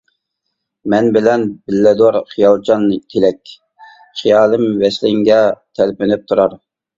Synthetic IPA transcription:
mɛnbɪlɛnbɪlːɛd̪ɑɾχijɑlˠt͡ʃʰɑnt̪ʰelɛkʲ | χijɑːlˠɨmvɛslɪŋɡʲɛt̪ʰɛlpɪnyp̚t̪ʰuɾɑɾ

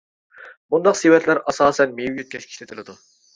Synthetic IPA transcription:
bund̪ɑqsewɛt̪ʰlæɾʔɑsɑːsɛnmejwjøt̪̚kʲʰɛt͡ʃkʲʰi̥ʃlʲɪt̪ʰɪlɪd̪u

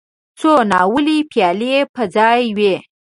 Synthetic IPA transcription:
t͡sonɑwəlipjɑlepəd͡zɑjwe

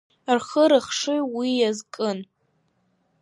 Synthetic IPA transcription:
arχəɾɨχʂɨwijazkʼɨn

